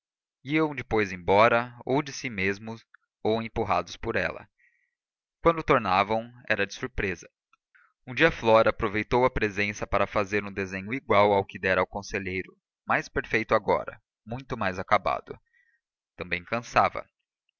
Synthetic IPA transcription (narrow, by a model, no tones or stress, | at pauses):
iɐ̃w̃d͡ʒɪpojzẽbɔɾɐowd͡ʒɪsimezmʊs | owẽmpuɦa̰d̪ʊspoɾɛ̰lɐ̰ | kwɐ̃nd̪ʊt̪oɾnavɐ̃w̃ɛɾɐd͡ʒɪ̥suɾpɾezɐ | ũd͡ʒiɐflɔɾɐːpɾovejt̪owɐpɾezẽsɐpaɾɐfazeɾũd̪ezẽɲʊiɡwawawkɪd̪ɛɾɐawkõseʎejɾʊ | majspeɾfejt̪ʊaɡɔ̰ɾɐ̰ | mũj̃t̪ʊmajzakaba̰d̪ʊ̰ | t̪ɐ̃mbẽj̃kɐ̃savɐ̰